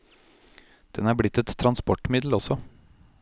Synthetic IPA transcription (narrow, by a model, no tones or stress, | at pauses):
d̪̥ɛnæːɾblɪt̪ːɛt̪ʰːɾɑnspɔʈmɪd̪l̩ɔsɔ